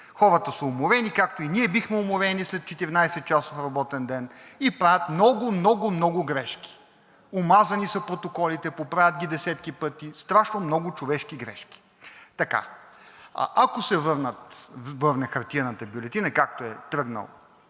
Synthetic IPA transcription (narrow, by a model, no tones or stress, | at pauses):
xɔɾət̪əsəomʊɾɛnikak̚t̪oiniɛbixmɛomʊɾɛnislɛt̪̚t͡ʃɛt̪iɾinajsɛt̪̚t͡ʃasofɾɐbɔt̪ɛnd̪ɛnipɾajət̪mnɔɡʊmnɔɡʊmnɔɡʊɡɾɛʃkʲi̥ | omazɐnisɐpɾot̪okɔlit̪ɛpopɾavʲət̪̚ɡʲid̪ɛsɛt̪kipɤt̪ist̪ɾaʃnomnɔɡʊt͡ʃovɛʃk̟iɡɾɛ̰ʃkʲi̥ | t̪ɐka̰ | a̰ʔakosɛvɤɾnət̪vɤɾnɛxɐɾt̪iɐnət̪ɐbjʊlɛt̪inəkak̚t̪oɛt̪ɾɤɡnə̰l̰ˠ